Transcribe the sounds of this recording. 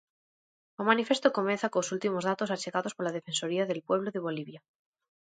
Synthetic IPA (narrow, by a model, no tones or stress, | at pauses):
omãnife̞st̪oko̞menθakosult̪imo̞zðat̪o̞sat͡ʃe̞ɣaðo̞spo̞ɾlað̞efe̞nso̞ɾiaðe̞lpwe̞β̞loðe̞β̞o̞liβja